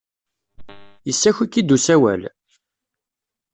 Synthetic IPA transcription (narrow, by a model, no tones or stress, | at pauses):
jəsːæçikːid̪usæwæ̰l